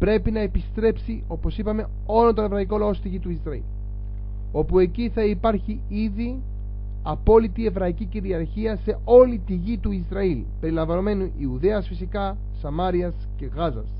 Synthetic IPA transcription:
pɾe̞pinɐe̞pist̪ɾe̞psio̞po̞sipɐme̞ | o̞lont̪o̞ne̞vɾɐiko̞lɐo̞st̪iʝit̪uizɾɐḭl | o̞pue̞ciθɐipɐɾçi | iði | ɐpo̞lit̪ie̞vɾɐiciciɾiɐɾçiɐse̞o̞lit̪iʝit̪uizɾɐil | pe̞ɾilɐɱvɐno̞me̞nuʔiuðe̞ɐsfisikɐ | sɐmɐɾiɐsce̞ɣɐzɐs

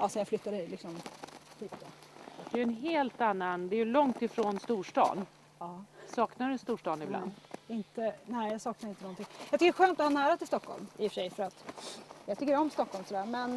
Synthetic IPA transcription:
ɑːsɔjaflʏt̪ːad̪əlɪksɔmt̪yːp̚d̪od̪̥ɛjɵɛnɦeːlt̪anːand̪ɛæɾjɵlɔŋt̪ɪfɾoːnst̪uːʂʈɑ̰ːn | ɑːsɑːknaɾɵɛnst̪uːʂʈɑːnɪbla̰nd̪ɪnt̪ənæɪjasɑːknaɾɪnt̪ənɔnt̪ʰɪŋjɑk̪t̪ʏkːəɾɛɧøːnt̪ɔhanæːɾat̪ɪlst̪ɔkʰːɔ̰lmɪfə̥ʂɛjfœɾat̪jɑt̪ʏkːəɾɔmst̪ɔkːɔlmsɔd̪æːɾmɛn

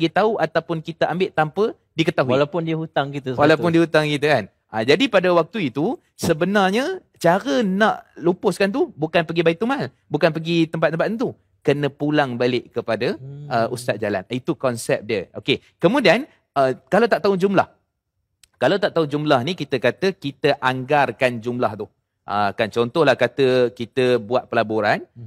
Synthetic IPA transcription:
əɡit̪auʔat̪awpʊnkit̪əʔambɪʔt̪ampə | dikət̪aɦuwlapʊndiɦut̪aŋkit̪əswalawpʊndihut̪aŋkit̪əkan | ʔad͡ʒadipadəwak̚t̪uit̪u | səbənarɲə | t͡ʃaɾənãʔlupʊskant̪̬ubukanpəɡibait̪umal | bukanpəɡit̪əmp̬at̪̚ːəmpat̪nt̪u | kənə̃pulaŋbalɪʔkəpadəʔəʔust̪at̪̚d͡ʒala̰nit̪ukɔnsɛp̚diəʔoke | kəmudian | əkalat̪aʔt̪aud͡ʒumla̰h | kalawt̪aʔt̪aud͡ʒumlahnikit̪əkat̪əkit̪əʔaŋɡarkand͡ʒumlaht̪ʊh | ʔə̰kant͡ʃɔnt̪ɔhlahkat̪əkit̪əbuat̪̚pəlaboɾan

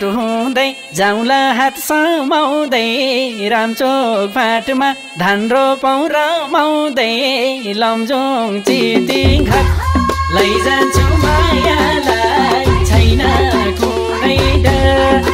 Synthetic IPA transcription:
ʈɦũd̪ʌj | d͡zaw̃laɦat̪sʌmaw̃d̪ʌjɾamt͡sok̚pʰaʈma | d̪ʱanropaw̃ɾʌmaw̃d̪ʌjlʌmd͡zut͡sit̪iɡʱʌtlʌjd͡zat͡sʰumʌjalaɡt͡sʰʌjnʌku | ɾʌjʈʌ

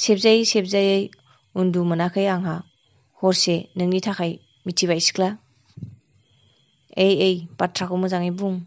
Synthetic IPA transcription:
sep̚zajsep̚zajej | undumɯnakʰɯjaŋɦa | hɔɾsenɯŋnitʰakʰaj | mitʰiβajsi̥kʰla | ejejbatʰɾakʰɔwmɯzaŋibuŋ

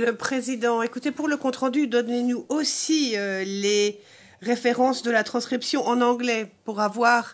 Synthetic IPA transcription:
ləpχezid̪ɑ̃ekut̪epuʁləkɔ̃t̪χɑ̃d̪yd̪ɔnenuosiøle | ʁefeʁɑ̃sd̪əlat̪χɑ̃skχipsjɔ̃ʔɑ̃nɑ̃ɡlɛpuʁavwaːʁ

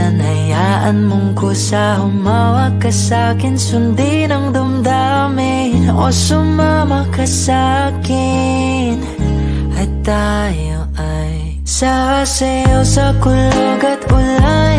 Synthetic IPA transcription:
anɐja | ʔɐnmʊŋkosahʊmawɐkɐsaːkɪnsʊnd̪i | nɐŋd̪ʊmd̪a | mɪ | no̰sʊmamɐkɐsakɪ | n | ɐjt̪a | joʔa | j | saɾasɐjosɐkʊloɡɐt̪ʔʊla

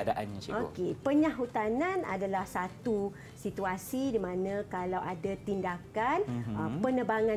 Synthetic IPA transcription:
daʔa̰nokepəɲahut̪anana̰dalahsat̪u | sit̪uasidimãnãkalawʔadat̪indakanəpənəbaŋã

